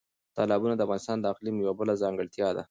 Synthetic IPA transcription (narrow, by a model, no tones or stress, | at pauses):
t̪ɑlɑbunad̪əavɣɑnɪst̪ɑnd̪əaqlimjawabəlazɑŋɡəɭt̪jɑd̪a̰